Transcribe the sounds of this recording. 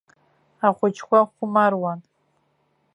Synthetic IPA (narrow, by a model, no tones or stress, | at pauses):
aχʷʊt͡ʃkʷaʊmarwan